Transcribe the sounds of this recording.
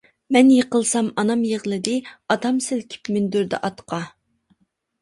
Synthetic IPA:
mɛnjeqəlˠsɑmɑnɑmjeʁlˠɨd̪ɨɑt̪ʰɑmsɪlkʲʰi̥pmynd̪yɾd̪ɛ̰ʔɑt̪qʰɑ

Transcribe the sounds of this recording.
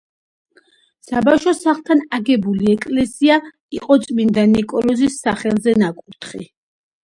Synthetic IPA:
sabafʃɔsaχlˠt̪ʰanaɡɛbuliɛkʼlɛsia | iqʼɔt̪sʼmind̪anikʼɔlɔzisːaχɛlˠzɛnakʼuɾt̪ʰχḭ

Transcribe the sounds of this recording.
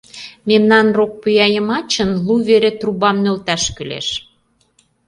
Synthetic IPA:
memnɑnrok̚pujɑjəmɑt͡ɕə̆nluβeɾet̪ruβɑmnølt̪æʃkylḛʃ

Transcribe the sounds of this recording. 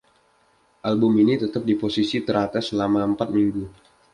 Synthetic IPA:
ʔalbʊminit̪ət̪ap̚diposisit̪əɾat̪aslamaəmpat̪̚miŋɡu

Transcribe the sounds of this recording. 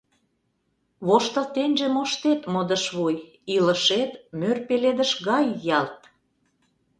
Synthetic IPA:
βoʃt̪ə̆t̪enʲʒĕmoʃt̪et̪mŏd̪ə̆ʃβuj | ilə̆ʃet̪mørpeled̪ə̆ʃɣɑjːɑlt̪

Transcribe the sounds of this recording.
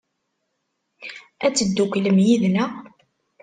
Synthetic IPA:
æt͡sːəd̪ːukʷːləmjiðnæ

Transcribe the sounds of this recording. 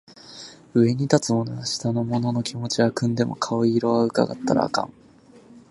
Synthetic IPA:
ɯ̟e̞ɲ̟it̪at͡sɨmo̞noɡaɕi̥t̪ano̞mo̞no̞no̞kʲimo̞t͡ɕiakɯ̟̃nd̪e̞mo̞̰kʰaoiːɾo̞βaɯ̟ka̰ɡa̰t̪ːaɾa̰ːkã̰ŋ

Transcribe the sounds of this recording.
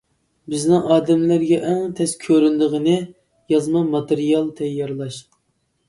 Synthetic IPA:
bɪznɪŋʔɑːd̪ɛmlæɾɡʲɛʔɛŋt̪ʰɛskʲʰøɾynd̪əʁənɨ | jɑzmɑmɑt̪ɨɾijɑlˠt̪ʰɛjːɑɾlˠɑʃ

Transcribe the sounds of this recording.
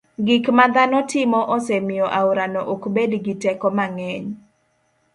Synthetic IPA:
ɡikmad̪anɔtɪmɔʔɔsemɪjɔʔawɾanɔʔokbedɡitɛkɔmaŋɛɲ

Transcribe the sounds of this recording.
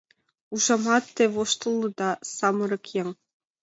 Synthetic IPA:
uʒɑmɑt̪ːĕvoʃt̪ɤ̆lˠːɤ̆d̪ɑsɑmɤ̆ɾɤ̆kʰjeŋ

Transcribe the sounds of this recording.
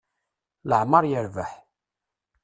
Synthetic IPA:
ləʕmɑɾˤjəɾvəħ

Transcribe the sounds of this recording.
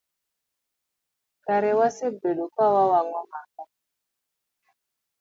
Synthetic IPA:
kaɾewasebeɗokwawawaŋɔmaka

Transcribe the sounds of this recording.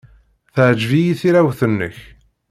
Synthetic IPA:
θəʕd͡ʒvijiθiɾæwθənːə̰ç

